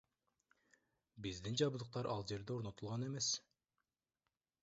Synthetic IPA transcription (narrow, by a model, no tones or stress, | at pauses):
bizd̪ind͡ʒɑβɯd̪ˠuq̚t̪ɑɾʔɑlˠd͡ʒe̞ɾd̪e̞o̞ɾno̞t̪ulˠʁɑne̞me̞s